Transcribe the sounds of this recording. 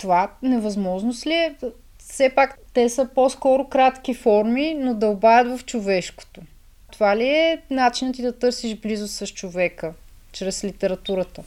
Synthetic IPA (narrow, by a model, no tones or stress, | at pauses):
t̪ovanɛvɐzmɔʒnosliɛ | fsɛpakt̪ɛsəposkɔɾokɾat̪k̟ifɔɾminod̪ɐʊbavʲət̪vɐft͡ʃovɛʃko̥t̪o | t̪ovaliɛnat͡ʃinət̪id̪ɐt̪ɤɾsiʒblizʊsɾɐʃt͡ʃovɛkə | t͡ʃɾɛslit̪ɛɾɐt̪uɾət̪ə